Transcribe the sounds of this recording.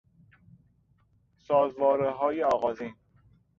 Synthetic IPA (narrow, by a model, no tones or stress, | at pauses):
sɒːzvɒːɾeɦɒːjeɒːɣɒːziːn